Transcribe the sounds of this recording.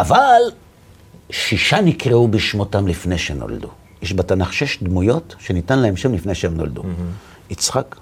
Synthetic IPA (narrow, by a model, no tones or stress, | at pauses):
ʔaval | ʃiʃanikʁeubiʃmo̞tamlifnejʃeno̰ld̪ṵ | jeʃbatanaχʃeʃdmujo̞tʃe̞nitanlaemʃemlifnejʃeemno̞ld̪ṵ | it͡sχak